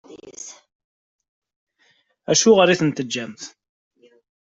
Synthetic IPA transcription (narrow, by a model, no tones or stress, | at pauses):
æʃuʁəɾˤiθənt̪əd͡ʒːæmθ